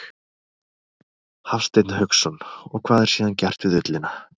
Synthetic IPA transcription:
hafst̪ejt̪nahœksɔnɔɣkʰv̥aːðɛɾ̥siːðancɛr̥t̪vɪðʏt̪lɪna

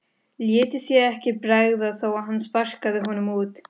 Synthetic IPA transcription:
ljɛːt̪ɪsjɛɛhcɪpɾaːɣðaθawaɦanːspar̥kaðɪɦɔnʏmuːt̪

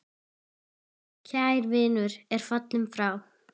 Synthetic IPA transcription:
cʰaːjɾvɪːnʏɾɛɾ̥fat̪lɪmfɾaːw

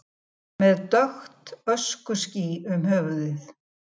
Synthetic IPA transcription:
mɛðt̪œxt̪œskʏsciʏmɦœːvʏðɪθ

